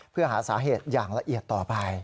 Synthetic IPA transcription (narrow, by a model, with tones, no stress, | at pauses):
pʰɯ˥˩ɐɦaː˩˦saː˩˦ɦeː˨˩t̪̚jaː˨˩ŋla˧ʔi˨˩ət̪ːɔː˨˩pa˧j